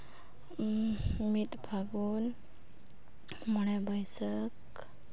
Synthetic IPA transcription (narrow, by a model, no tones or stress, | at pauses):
mit̪bʱaɡun | mɔnɛbəjsək